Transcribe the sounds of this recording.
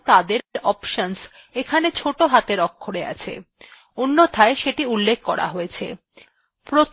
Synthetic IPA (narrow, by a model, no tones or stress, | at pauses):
t̪ad̪eɾɾɔpʃons | ekʰanet͡ɕʰoʈoɦat̪eɾɔkʰːoɽea̰t͡ɕʰḛ | onːot̪ʰaeʃeʈiulːekʰkɔɾa̰ɦojet͡ɕʰḛ | pɾot̪